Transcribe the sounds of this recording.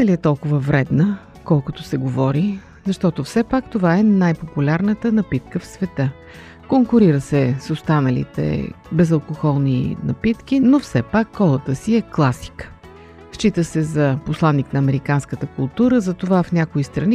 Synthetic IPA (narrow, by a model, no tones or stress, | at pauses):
nɐliɛt̪ɔlˠkʊvəvɾɛd̪nə | kɔlˠkʊt̪osɛɡovɔɾi | zɐʃt̪ɔt̪ofsɛpakt̪ovaɛnajpopulʲaɾnət̪ənɐpit̪̚kəfsvɛt̪ə | koŋkʊɾiɾəsɛsost̪anəlḭt̪ɛ̰bɛzɐlˠkoxɔlˠnḭnɐ̰pit̪k̟inofsɛpakːɔlˠət̪əsiɛklˠasi̥k | ʃt͡ʃit̪əsɛzɐposlˠanːiknɐːmɛɾikanskət̪əkʊlˠt̪uɾəzɐt̪ovafnʲakoist̪ɾɐni